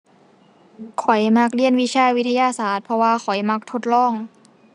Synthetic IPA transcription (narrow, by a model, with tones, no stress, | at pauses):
kʰɔ˨˩˦jma˧˥k̚li˧˥ənwi˧˥t͡ɕʰaː˧˨wi˦˥t̪ʰa˧jaː˧˨saː˩˦t̪̚pʰɔ˧waː˧kʰɔ˨˩jma˧˥k̚t̪ʰo˧t̪̚lɔː˧˥˩ŋ